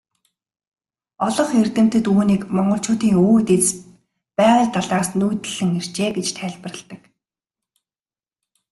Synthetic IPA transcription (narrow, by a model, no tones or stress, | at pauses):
ɔɮɞ̆χert̪ɘ̆m̥t̪ɘ̆t̪uːniːkmɔɴɢɞ̆ɬt͡ɕʊːt̪iːŋuːt̪et͡s | pæːʁə̆ːɮt̪aɮaːsnujt̪ɘ̆ɮɘ̆ŋer̥t͡ɕeːɡet͡ɕt̪ʰæːɮpə̆rə̆ɮt̪ə̆k